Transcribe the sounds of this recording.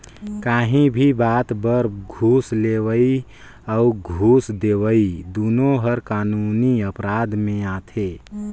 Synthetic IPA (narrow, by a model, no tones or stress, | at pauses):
kaːɦĩbʱibaːt̪bəɾɡʱuːsleːʋəi | aʊɡʱuːsd̪eːʋəid̪uːnoɦəɾkaːnuːniəpɾaːd̪mẽaːt̪ʰeː